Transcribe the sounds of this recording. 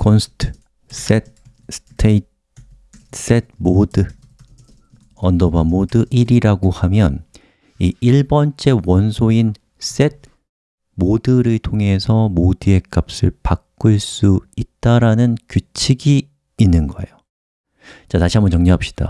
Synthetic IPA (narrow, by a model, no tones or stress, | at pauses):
kʰonsʰɯ̥tʰɯ̥ | s͈et̚ | sʰɯ̥tʰeit̚ | s͈e̞d̚modɯ | ʌndobamodɯʔiɾiɾaɡohamjʌn | iiɭbʌnt͡ɕ͈e̞wʌnsʰoin | s͈e̞d̚ | modɯɾɯɭtʰoŋɦe̞sʰʌmodɯe̞k͈ap̚s͈ɯ̰ɭpak͈ɯɭs͈uit̚t͈aɾanɯnkjut͡ɕʰiɡiː | nːɯnɡʌḛjo | t͡ɕataɕʰiambʌnt͡ɕʌŋɲiɦap̚ɕ͈i̥d̥a̰